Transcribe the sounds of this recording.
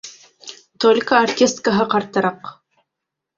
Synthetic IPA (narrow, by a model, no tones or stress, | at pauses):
t̪olʲkaɐrkʲest̪̚kəɦɤqɑɾt̪ɤ̆ɾɑq